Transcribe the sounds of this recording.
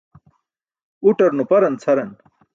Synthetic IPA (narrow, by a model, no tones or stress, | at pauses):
uʈɐɾnupɐɾɐnt͡sʰɐɾɐn